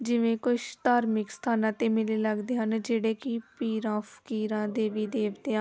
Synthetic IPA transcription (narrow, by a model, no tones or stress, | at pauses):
d͡ʒɪʋẽːkʊʃt̪aːɾmɪksə̥t̪ʰaːnãːt̪eːmɪleːləɡd̪eːɦənd͡ʒeːɽeːkɪpiːɾãːpʰə̥kiːɾãːd̪eːʋiːd̪eːʋt̪eːãː